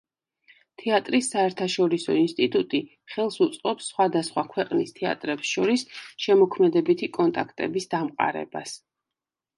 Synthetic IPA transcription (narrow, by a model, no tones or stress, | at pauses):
t̪ʰiat̪ʼɾisːaɛɾt̪ʰaʃɔɾisɔ̰inst̪ʼit̪ʼut̪ʼi | χɛlˠsut̪sʼqʼɔpsːχwad̪asχwakʰwɛqʼnist̪ʰɛa̰t̪ʼɾɛpsʃɔɾisʃɛmɔkʰmɛd̪ɛbit̪ʰikʼɔnt̪ʼakʰt̪ʼɛ̰bisd̪amqʼa̰ɾɛ̰ba̰s